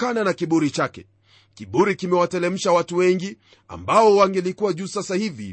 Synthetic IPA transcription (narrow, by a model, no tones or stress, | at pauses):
kananakiɓuɾit͡ʃakɛ | kiɓuɾikimɛwatɛlɛm̩ʃawatuwɛŋɡi | a̰mbaɔwaŋɡɛlikuwaʄusasahivḭ